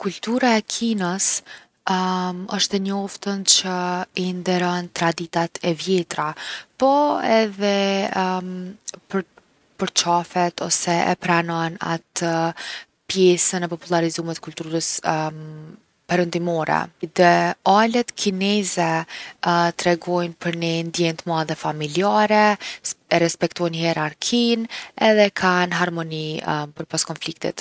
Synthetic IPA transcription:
kult̪uɾaɛkʰinəs | əʃt̪ɛɲɔft̪ənt͡ɕəind̪ɛɾɔnt̪ɾad̪it̪at̪ʰɛvjɛt̪ɾapɔɛðɛ | pəɾ | pəɾt͡ʃafɛt̪ʰɔsɛʔɛpɾanɔna̰t̪ə | pjɛsənɛpɔpulˠaɾizumɛt̪kulʲt̪uɾəs | pɛɾənd̪imɔɾɛ̰d̪ɛalɛt̪kʰinɛzɛ | t̪ɾɛɡɔjnpəɾnɛnd̪jɛnt̪əmaðɛfamiliaɾɛɛɾɛspɛkt̪ɔjnhɛɾaɾkʰinɛðɛkʰanɦaɾmɔnipəɾpaskɔnflik̚t̪ḭt̪

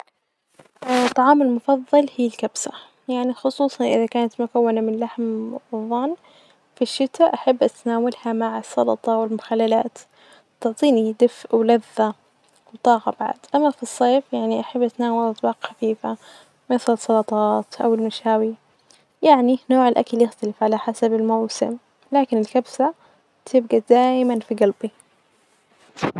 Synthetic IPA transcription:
t̪ˤːɑʕɑːmɪlmʊfɑðˤːɑlhiːlkabsa | jaʕnixʊsˤuːsˤɑnʔɪðakaːnat̪mʊkawːanamɪnlaħmwɨðˤːɑn | fiʃːɪt̪aʔaħabːʔat̪naːwalhamaʕɪsˤːɑ̰lɑt̪ˤɑwɪlmʊxalːala̰ːt̪ | t̪ɪʕt̪ˤiːnid̪ɪfʔwlaðːa | wt̪ˤɑːɣɑ̰baʕad̪̥ʔamːafisˤːeːfjaʕniʔaħabːʔat̪naːwalʔɑt̪ˤbɑːqxafiːfa | masˤɑlsˤːɑlɑt̪ˤɑːt̪ʔa̰wɪlmaʃaːwi | jaʕninoːʕɪlʔa̰kaljɪxt̪alɪfʕalaħasabɪlmawsɪ̰m | laːkɪnɪlkabsa | t̪ʰɪb̚ɡad̪aːjmanfiɡalbi

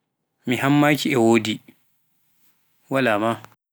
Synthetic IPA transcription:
mihamːaːkʰiɛwoːdi | walaːma

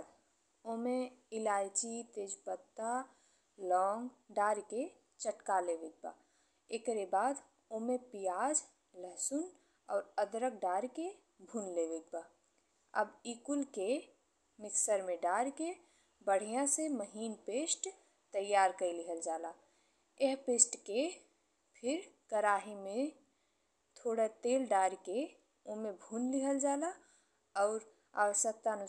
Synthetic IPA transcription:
d̪ | oːmẽɪlaːjd͡ʒit̪eːd͡ʒpət̪ːa | lɔːŋɡɖaːɾke | t͡ʃəʈkaːleʋɪɡ̚ba̰ | ekɾebaːd̪ | oːmẽpijaːd͡ʒ | ləɦsʊn | ɔːɾəd̪ɾək̚ɖaːɾke | bʱunleʋɪɡ̚ba | ɐ̰biːkʊlke | mɪksəɾmẽɖaːɾke | bəɽ̤ijãseməɦiːnpeːsʈ | t̪əjːaːɾkəliɦəld͡ʒaːla | eɦpeːsʈke | pʰɪɾkəɾaːɦimẽ | t̪ʰoːɽat̪eːlɖaːɾke | omebʱuːnliɦəld͡ʒaːla | ɔʊɾ | a̰ʋəʃjək̚t̪aənʊ

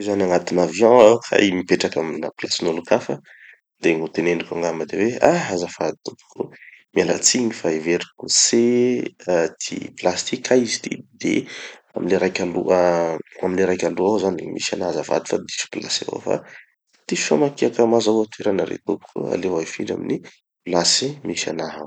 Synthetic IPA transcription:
zanaŋat̪inavjɑ̃aha̰jmipeʈ͡ʂakaminaplasinolukafə | d̪̥eŋut̪eneɳɖ͡ʐikaŋɡaməd̪eweaazafad̪i̥t̪upu̥kṵmiala̰t͡siɲifaeveɾikuseat̪ʰḭplast̪ikʲʰajzi̥t̪id̪ḛamineɾajkʲaluaamineɾajkʲaluawzanimḭsanaɦazafa̰d̪i̥fad̪isu̥pla̰sḛwo̰fa̰ | t̪ifi̥famakiakamazawat̪ueɾanaɾḛt̪upu̥kua̰lewaifiɳɖ͡ʐa̰mini | plasimisa̰naɦaw

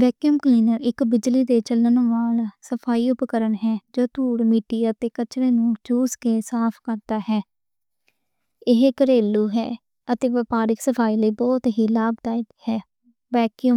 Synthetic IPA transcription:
ʋɛːkjəmkliːnəɾɪkbɪd͡ʒliːd̪eːt͡ʃələnʋaːlsəpʰaːiːʊpkəɾənɦɛːd͡ʒoːt̪uːɽmiːʈiːət̪eːkət͡ʃɾeːnũːt͡ʃuːskeːsaːpʰkəɾd̪aːɦɛː | ɪɦkəɾeːluːɦɛ̰ː | ət̪eːʋəpaːɾɪksəpʰaːiːləiːbɔːt̪ɦiːlaːbd̪aːɪdhɛː | ʋɛːkijəm

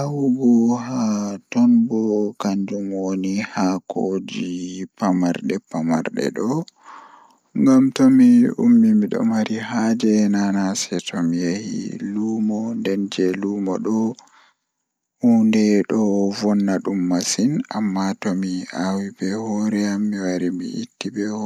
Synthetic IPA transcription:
awuɡɔhatɔnbɔkaɲd͡ʒumwonihakod͡ʒipamaɾɗɛpama̰ɾɗɛ̰ɗɔ | ŋɡamtomiṵmːimiɗɔ̰maɾihad͡ʒɛnanasɛtʰɔmijehḭlumɔndɛnd͡ʒɛluːmɔ̰ɗɔ | undɛɗɔvɔnːaɗumːasinamːatɔmiawibɛhɔɾɛamːiwaɾimḭʔḭtːibɛ

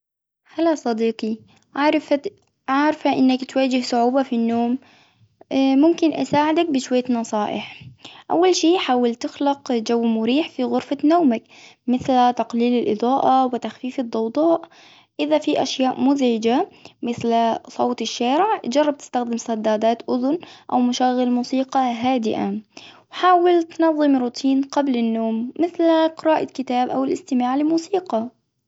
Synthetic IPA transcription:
halːasˤɑd̪iːqi | ɾf | ʕaʕɾfaʔɪnːakt̪waːd͡ʒɪhsˤʊʕuːbafinːoːm | mʊmkɪnʔa̰saːʕɪd̪ak̚bɪʃwajːanɑsˤɑːʔɪ̰ħʔa̰wːalʃiːħaːwalt̪ɪxlɑqd͡ʒawːmʊɾiːħfiɣʊɾfanoːmak | mɪθlt̪ɑqliːlɪlʔɨ̰d̪ˤɑːʔɑwɪt̪axfiːfɨd̪ˤːɑwd̪ˤɑːʔ | ʔɪðafiʔa̰ʃjaːʔmʊzʕɪd͡ʒamɪθlsˤoːt̪ɪʃːaːɾɪʕd͡ʒɑrˤːɑb̚t̪ɪ̥st̪axd̪ɪmsˤɑd̪ːaːd̪aːt̪ʔʊðʊnʔa̰wmaʃaɣːɪlmuːsiːqɑɦaːd̪ɪʔawħaːwɪlt̪nɑðˤːɨmɾuːt̪ʰiːnqablɪnːoːmːɪθlqɪɾɑːʔakɪt̪aːbʔa̰wɪlʔɪst̪ɪmaːʕlɪmuːsiːqɑ

